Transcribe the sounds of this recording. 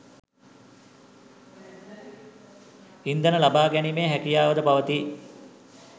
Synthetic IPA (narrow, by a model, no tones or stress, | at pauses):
ind̪ənəlabaːɡɛnimeːɦækijaːʋəd̪əpaʋət̪i